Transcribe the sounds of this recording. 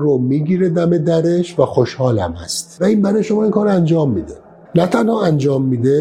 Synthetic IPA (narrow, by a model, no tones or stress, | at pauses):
ɾomiːɡiːɾed̪æmed̪æɾeʃvæxoʃhɒːlæ̰mæ̰st̪væiːnbæɾɒːjeʃo̞mɒːinkʰɒːɾoænd͡ʒɒːmːiːd̪e | næt̪ʰænhɒːænd͡ʒɒːmːiːd̪e